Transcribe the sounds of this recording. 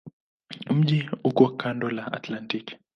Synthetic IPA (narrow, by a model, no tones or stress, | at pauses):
m̩ʄiukɔkʰandɔlaa̰tlantik